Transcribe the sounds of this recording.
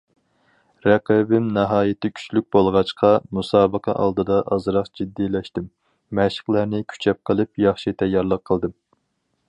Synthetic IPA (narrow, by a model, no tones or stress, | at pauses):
ɾɛqʰɪbɪmnɑɦɑːjɪt̪ʰɪkʲʰy̥t͡ʃlyk̚ʲbolˠʁɑt͡ʃqʰɑmusɑːbəqʰɑ̰ʔɑ̰lˠd̪ɨd̪ɑʔɑzɾɑqd͡ʒid̪ːilɛʃt̪ɪmː | ɛʃə̥χlˠæɾnɪkʲʰy̥t͡ʃʰɛp̚qʰəlˠɨpjɑχʃit̪ʰɛjːɑɾlˠəqʰːəlˠd̪ɨm